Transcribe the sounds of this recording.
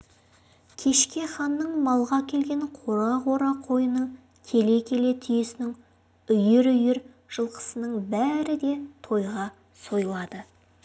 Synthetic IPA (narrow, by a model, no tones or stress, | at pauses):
kʲʰe̞ʃkʲe̞χɑnːəɴmɑlˠʁɑkʲʰe̞lɡʲe̞ɴqʰoɾɑʁoɾɑqʰo̞jənəɴ | kʲʰe̞le̞kʲʰe̞le̞t̪ʰʏjesɪnɪŋ | ʏjɪɾʏjɪɾ | ʒ̥əlˠqə̥sənəɴbæɾɪd̪e̞t̪ʰo̞jʁɑ | so̞jəlˠɑd̪ə